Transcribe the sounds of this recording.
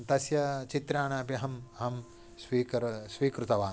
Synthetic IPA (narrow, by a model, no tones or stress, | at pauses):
t̪ɐsjɐt͡ʃit̪ɾaːɳaːpjiɦɐmɐɦɐm | sʋiːkɐɾsʋiːkɾut̪ɐʋaː